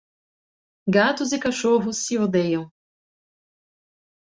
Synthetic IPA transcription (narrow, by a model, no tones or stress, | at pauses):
ɡat̪ʊzɪkaʃoɦʊsːɪod̪ejɐ̃w̃